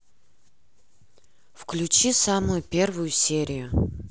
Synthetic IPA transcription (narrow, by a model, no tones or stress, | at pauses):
fklʲʉt͡ɕisamʊjʊpʲe̞rvʊjʊsʲeɾʲɪjʊ